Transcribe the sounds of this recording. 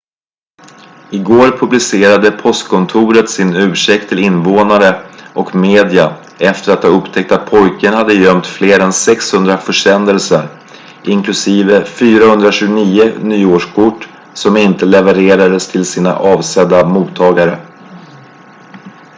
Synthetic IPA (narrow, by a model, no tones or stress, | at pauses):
ɪɡoːɾpʰɵblɪseːɾad̪əpʰɔst̪kʰɔnt̪ʰuːɾət̪sɪnʉ̟ːʂɛk̚t̪ʰːɪlɪnːvoːnaɾəʔɔkmeːd̪ɪa | ɛft̪əɾat̪hɑːɵpt̪ʰɛk̚t̪at̪̚pʰɔjkʰənhad̪ːəjœmt̪fleːɾɛnsɛkshɵnd̪ɾafœʂɛnd̪əlsəɾ | ʔɪŋklɵsiːvəfyːɾahɵnd̪ɾaɕʉːɡʊniːənyːoːʂkʰʊʈː | sɔmɪnt̪əlɛvəɾeːɾad̪əst̪ʰɪlsiːna̰ʔɑːvsɛd̪ːamuːt̪ʰːɑːɡaɾə